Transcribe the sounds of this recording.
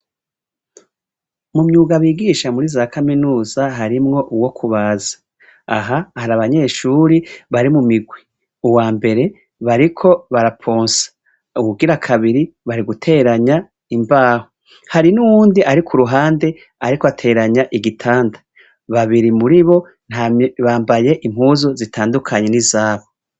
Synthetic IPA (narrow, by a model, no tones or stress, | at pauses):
mumɲuːɡaβiːɡiʃamuɾizakʰaminuːzaɦaɾimŋo̞ʔuwo̞kʰuβazḁ | aɦahaɾaβaɲe̞ːʃuːɾiβaɾimumiɡwi | uwaːmbe̞ɾe̞ | βaɾikʰo̞βaɾapʰoːnsḁ | ukuɡiɾakʰaβiɾi | βaɾiɡutʰe̞ɾaɲa | imbaːho | haɾinuwuːndiʔaɾikʰuɾuɦaːnde̞ | aɾikoatʰe̞ːɾaɲaʔiɡitʰaːndḁ | βaβiɾimuɾiβo̞ | n̥haβaːmbaje̞ʔim̥huːzozitʰaːndukʰaɲe̞nizaːβo